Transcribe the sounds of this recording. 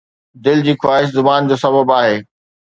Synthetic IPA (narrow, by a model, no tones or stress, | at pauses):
d̪ɪld͡ʑiːxwaːɦɪʃ̬zʊbaːnd͡ʑoːsɐbəbaːɦeː